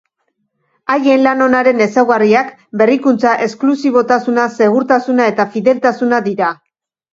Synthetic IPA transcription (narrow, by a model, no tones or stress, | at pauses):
aje̞nlano̞naɾe̞ne̞sawɣariak | be̞rikunt͡saʔe̞sklusiβo̞t̪asunase̞ɣ̞uɾt̪asunae̞t̪afiðe̞lt̪asunaðiɾa